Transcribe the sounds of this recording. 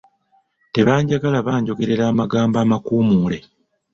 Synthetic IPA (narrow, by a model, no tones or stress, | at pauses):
te̞βaːɲɟaɡalaβaːɲɟo̞ɡe̞ɾe̞ɾaːmaɡaːmbaːmakuːmuːle̞